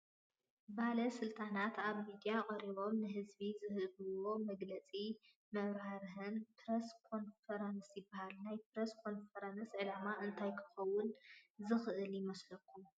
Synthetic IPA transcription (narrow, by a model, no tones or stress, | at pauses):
bahlɐsɨlt̪ʰʼanat̪ʰaβmid̪ijaqʼɐɾiβo̞mnɨɦɨzbizɨhɨβɨwo̞mɐɡlɐt͡sʼi | mɐβɾaɾɦɨnpʰɾeskʰo̞nfɐɾansjɪbːahalnajpɾeskʰo̞nfɐɾɐnsʕɨlamaʔɨnt̪ʰajkʰɨ̥xɐwːʊnzɨxɨʔɨljɪmɐslɐkʰːu